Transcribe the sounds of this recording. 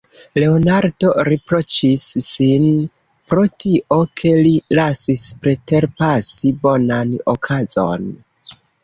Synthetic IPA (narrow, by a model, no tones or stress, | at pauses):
le̞onaɾdo̞ɾepɾo̞t͡ʃisːin | pɾo̞tiʔo̞kʰe̞lilasispɾe̞te̞ɾpasibo̞nanokʰazo̞̰n